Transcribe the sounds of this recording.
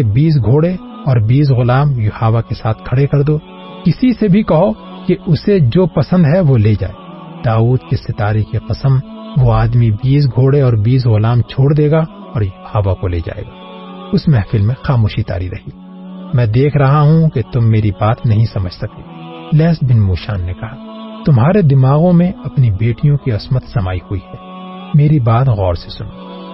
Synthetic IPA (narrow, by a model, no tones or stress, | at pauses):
ebiːs̬ɡʱoːɽe | ɔːɾbiːs̬ɣʊlaːmjʊhaːʋakesaːt̪ʰkʰɐɽekɐɾd̪oː | kɪsisebʱikɐɦo | keʊsed͡ʒoːpɐsə̃nd̪ɦɛʋoleːd͡ʒa̰ːeː | d̪̥aːuːd̪kesɪt̪aːɾikeqɐsəm | ʋoaːd̪mibiːs̬ɡʱoːɽeɔːɾbiːs̬ɣʊlaːmt͡ʃʰoːɽd̪eːɡa | ɔːɾjʊhaːʋakolḛːd͡ʒa̰ːḛːɡa̰ː | ʊsmɛ̃fɪlmːẽxaːmoːʃit̪a̰ːɾiɾɐhiː | mɛ̃ːd̪eːkʰɾɐɦaɦũket̪ʊmːeːɾibaːt̪nɐɦĩsɐməd͡ʒʱsɐk̪eː | lɛːsbɪnmuːʃa̰ːnːekɐɦa | t̪ʊmɦaːɾed̪ɪmaːɣõmẽɐpnibeːʈijõkiɐsmət̪sɐmaːihuihɛː | meːɾibaːt̪ɣɔːɾsesʊno